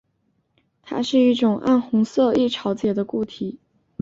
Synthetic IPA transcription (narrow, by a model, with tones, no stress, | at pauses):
t̪ʰa̰˥ʂɻ̩˥˧i˥˩ʈ͡ʂʊ˨˩ŋʔa̰˥˩nxʊ˧˥ŋsɤ˥˧i˥˩ʈ͡ʂʰɑ˧˥ʊt͡ɕjɛ˨˩d̪ə˦ku˥˩t̪ʰi˨˩˦